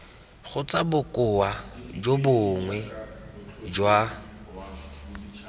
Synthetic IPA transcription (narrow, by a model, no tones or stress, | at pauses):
χʊt͡sʼabʊkʼʊad͡ʒobʊŋwɛ | d͡ʒwa